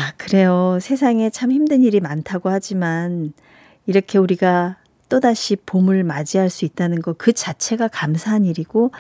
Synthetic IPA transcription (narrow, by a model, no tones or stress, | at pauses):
akɯɾe̞josʰe̞s̬ʰaŋe̞t͡ɕʰamçimdɯniɾimantʰaɡohad͡ʑiman | iɾʌkʰe̞uɾiɡa | t͈odaɕʰipomɯɭmad͡ʑiɦaɭs͈uit̚t͈anɯnɡʌkɯt͡ɕat͡ɕʰe̞ɡakamsʰaɦaɲiɾiɡ̥o